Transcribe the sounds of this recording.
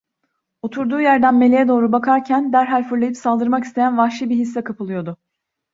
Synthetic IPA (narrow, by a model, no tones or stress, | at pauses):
o̞t̪ʰuɾd̪uːjæɾd̪ænme̞lʲejɛd̪o̞ːɾubakʰaɾcʰænd̪æɾɦalʲfɯɾlˠajipsalˠd̪ɯɾmaki̥st̪ʰe̞jænvahʃɯbiɦisːɛkʰapʰɯlˠɯjo̞d̪ʊ